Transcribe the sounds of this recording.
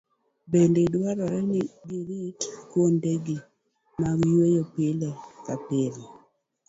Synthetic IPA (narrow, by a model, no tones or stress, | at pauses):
bendedwaɾɔɾɛnɪɡɪɾitkwondeɡi | mawjwejopɪlekapɪɾi